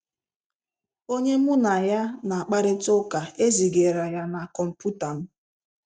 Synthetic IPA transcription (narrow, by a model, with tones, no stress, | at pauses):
o˦ɲe˦mʊ˦na˨ja˦na˨a˨k͡pa˦ɾɪ˦tʊ˦ka˨e˦zi˨ɡe˨ɾa˨ja˦na˨kɔ˨m̩˨pu˦ta˨n̩˦